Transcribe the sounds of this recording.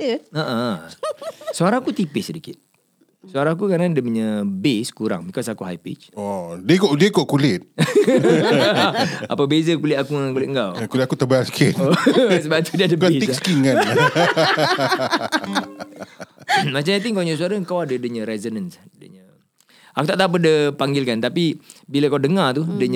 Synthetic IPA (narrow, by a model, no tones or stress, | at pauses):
əʔə | soaɾaŋkut̪ipɪsːədikit̪̚ | suaɾãŋk̬ukanandəməɲə̃beskuɾa̰ŋbikɔsakuɦa̰jpḭt͡ʃɔdiəkoʔdiəkoʔkulɪt̪̚ | a̰pabezəkulɪt̪akuŋakulɪt̪̚ŋɡawkulɪt̪akut̪əbaarsi̥kɪt̪osəbat̪udiəadəesskiŋka | mat͡ʃamat̪̬iŋkawɲɔsuaɾaŋkawadədəɲə̃ɾɛzonənsdəɲə | akut̪aʔt̪ap̬ədəpaŋɡɪlkant̪apibiləkawdəŋat̪udəɲ